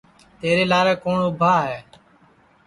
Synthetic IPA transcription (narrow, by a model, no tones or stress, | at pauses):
t̪eːɾeːlaːɾeːkoːɳʊbʱaːɦeː